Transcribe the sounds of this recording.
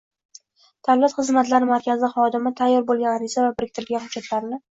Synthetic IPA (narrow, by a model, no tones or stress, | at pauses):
d̪̥avlat̪χɨzmat̪laɾɪmaɾkʲʰazɪχɒd̪ɪmɪt̪ʰajːɒɾbolˠɡʲanaɾɪzavabɪɾɪk̚ʲt̪ʰɪɾlɡʲanhʊdd͡ʒːat̪ʰlaɾnɪ